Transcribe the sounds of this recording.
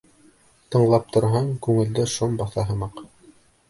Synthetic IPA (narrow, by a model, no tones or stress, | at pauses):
t̪ɤ̆ɴlˠɑp̚t̪ʰŏɾɦɑɴkʉŋɘ̆ld̪ɘʃombɑθɑɦɤ̆mɑq